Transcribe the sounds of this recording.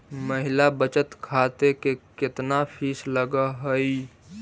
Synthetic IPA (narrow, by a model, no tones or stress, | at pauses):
məɦɪlabət͡ʃət̪kʰaːt̪ekekɪt̪napʰiːsləɡəɦəi